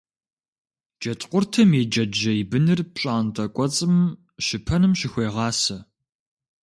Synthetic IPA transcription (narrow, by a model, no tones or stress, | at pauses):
d͡ʒɐtʼqʷʊrtʰɐmed͡ʒɐd͡ʒɐibɨnɨrpɕʼaːntʼɐkʷʼɔt͡sʼɨm | ʃɪpʰɐnɨmʃɪxʷeːʁɑːsɐ